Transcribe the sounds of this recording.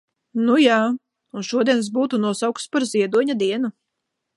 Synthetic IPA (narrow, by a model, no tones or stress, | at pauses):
nujaː | unʃuɔd̪iɛns̬buːt̪unuɔsawk̪spaɾzʲiɛd̪uɔɲad̪iɛnu